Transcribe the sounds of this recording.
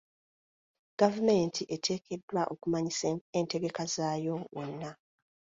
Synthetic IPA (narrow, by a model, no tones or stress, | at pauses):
ɡ̥avume̞ːntʰiʔe̞tʰe̞ːkʰe̞dːwaʔo̞kumaɲiseente̞ɡe̞kazaːjo̞wʔonːa